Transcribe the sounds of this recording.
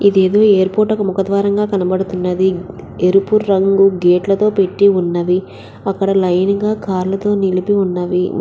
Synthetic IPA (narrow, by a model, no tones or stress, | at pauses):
id̪e̞ːd̪oːeːɾpo̞ːɾʈɐkɐmukɐt̪ʋaːɾɐŋɡaːkɐnɐbɐɽut̪unːɐd̪i | eɾupuɾːɐŋɡuɡeːʈlɐt̪o̞ːpe̞ʈːiunːɐʋi | ɐkːɐɽɐlɐjnɡaːkaːɾlɐt̪o̞ːnilipiunːɐʋi